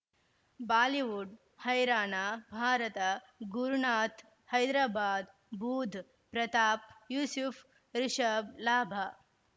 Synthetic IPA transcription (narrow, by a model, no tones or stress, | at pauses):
baːliʋuɖ | hɐjɾaːnaːbʱaːɾɐt̪ɐ | ɡuɾɳaːt̪ | hɐjd̪ɾaːbaːd̪ | bʱuːd̪ʱ | pɾɐt̪aːp̚juːsuf | ɾɪʂɐblaːbʱa